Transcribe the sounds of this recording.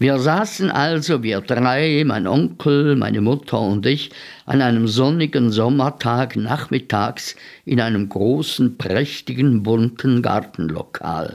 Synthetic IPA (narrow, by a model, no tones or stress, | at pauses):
viːɐzaːsn̩ʔalzoviːɐdʁaɪma̰ɪnʔɔŋkʰl̩ma̰ɪnəmʊtʰɐʊntɪç | ʔa̰naɪnəmzɔnɪɡənzɔmɐtʰaːknaχmɪtʰaːksʔɪnaɪnəmɡʁoːsn̩pʁ̥ɛçtɪɡən̩bʊntʰn̩ɡa̰ʁtn̩lo̰kʰa̰ːl